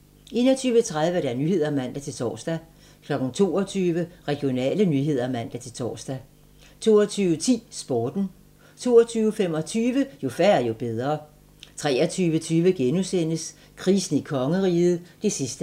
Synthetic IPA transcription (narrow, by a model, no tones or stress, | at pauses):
e̝̰ːnɒt͡sʰyːʋət͡sʰʁað̞ˠʋəɾ̥æɐnyːhe̝ð̞̰ˠɐmæn̰d̥æt͡sʰe̝lt͡sʰɒ̰ːsd̥æ | kʰlɒ̽ɡ̥n̩t͡sʰo̝̰ːɒt͡sʰyːʋəʁɛɡ̥ijo̝nɛ̰ːlənyːɦe̝ð̞̰ˠɐmæn̰d̥æt͡sʰe̝lt͡sʰɒ̰ːsd̥æ | t͡sʰo̝̰ːɒt͡sʰyːʊət͡sʰḭːsb̥ɒːd̥n̩ | t͡sʰo̝̰ːɒ̽t͡sʰyːʊəfem̰ɒ̽t͡sʰyːʋəjo̝fæɐæjo̝b̥eð̞ˠʁɐː | t͡sʰʁɛːɐt͡sʰyːʋət͡sʰyːʋəɡ̥enusen̰əs | kʰʁiːsn̩ikʰɒ̽ŋəʁiːð̞̩ˠd̥e̝sisd̥ə